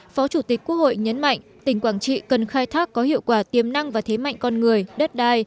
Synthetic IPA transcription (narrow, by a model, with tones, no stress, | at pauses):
fɔ˨˦t͡ɕu˧˩t̪i˨˩k̟̚ku˦˥ək̚ho̰˧˨jɲə˨˦nma̰˧˨jŋ̟t̪ï˧˩ŋ̟kwaː˧˩ŋt͡ɕḭ˧˨kə˨˩nxaː˧jt̪ʰaː˦˥kːɔ˨˦ɦḭ˧˨əwkwaː˧˩t̪i˨˩əmna˧ŋvaː˨˩t̪ʰe˨˦ma̰˧˨jŋ̟kɔ˧nŋɨ˨˩əjɗə˦˥t̚ɗaː˧j